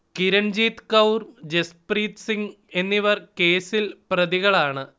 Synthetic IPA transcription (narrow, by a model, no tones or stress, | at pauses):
kiɾɐnd͡ʑiːt̪kɐwrd͡ʑespriːt̪siŋɡ | e̞nːiʋɐrkeːsilprɐðiɣɐɭaːɳɨ